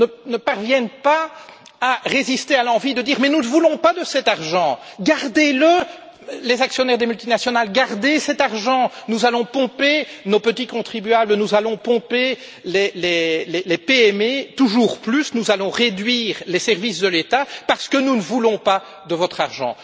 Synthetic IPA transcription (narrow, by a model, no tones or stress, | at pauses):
nənəpaʁvjɛnpa | aʁezist̪ealɑ̃vid̪əd̪iːʁmɛnunəvulɔ̃pad̪əsɛt̪aʁʒɑ̃ɡaʁd̪elə | lezaksjɔnɛʁd̪emylt̪inasjɔnalɡaʁd̪esɛt̪aʁʒɑ̃nuzalɔ̃pɔ̃penopət̪ikɔ̃t̪χibyablənuzalɔ̃pɔ̃pe | lelelelepeɛmet̪uʒuːʁplysnuzalɔ̃ʁed̪ɥiːʁlesɛʁvisd̪əlet̪apaʁsə̥kənunəvulɔ̃pa | d̪əvɔt̪χaʁʒɑ̰̃